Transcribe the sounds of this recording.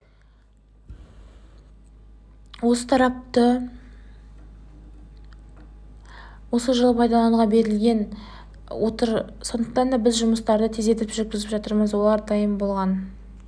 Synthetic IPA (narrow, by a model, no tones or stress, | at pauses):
wo̞sət̪ʰɑɾɑp̚t̪ə | wo̞səʒəlˠəpʰɑjd̪ɑlˠɑʁɑbe̞ɾɪlɡʲe̞n | wʔo̞t̪əɾso̞nd̪əq̚t̪ɑnd̪ɑbɪzʒʊməst̪ɑɾd̪ət̪ʰe̞ze̞t̪̬ɪlɪpʒʏɾkʲɪzɪpʒɑt̪əɾməzwo̞lˠɑɾd̪ɑjəmbo̞lˠʁɑn